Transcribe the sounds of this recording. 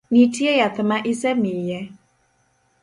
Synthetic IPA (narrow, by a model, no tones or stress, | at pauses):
nitʰiɛjat̪əmaʔisɛmijɛ